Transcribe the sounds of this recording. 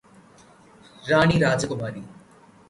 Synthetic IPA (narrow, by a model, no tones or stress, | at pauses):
ɾaːɳiɾaːd͡ʒəkʊmaːɾi